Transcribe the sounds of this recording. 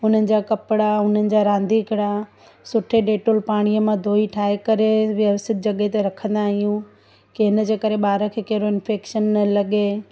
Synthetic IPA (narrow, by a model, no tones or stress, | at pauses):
ʊn̤ənɪ̆d͡ʑaːkɐpɪɽaʊn̤ənɪ̆d͡ʑaːɾãːnd̪iɪkɪɽa | sʊʈʰeɖeːʈolpaːɽ̃ijəmãd̪ʱoːiʈʰaːɦekɐɾeʋɐʋsɪt̪̚d͡ʑɐɠet̪eɾɐkʰə̃nd̪aːɦijũ | kiɦɪnəd͡ʑeːkɐɾeɓaːɾəkʰeːkɐɦɪɾoɪnfeːkʃənːɐlɐɠe